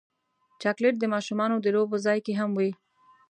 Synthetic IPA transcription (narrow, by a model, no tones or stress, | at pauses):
t͡ʃɑkleʈ̚d̪əmɑʃumɑnod̪əlob̚pəzɑjkeɦamwi